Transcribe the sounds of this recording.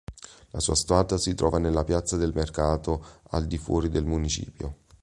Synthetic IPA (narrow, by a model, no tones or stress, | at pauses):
lasuːast̪uaːt̪asit̪ɾɔ̰ːvanelːapjat̪sːad̪elmerkaːt̪oa̰ld̪ifwɔ̰ːɾid̪elmunit͡ʃḭːpjo̰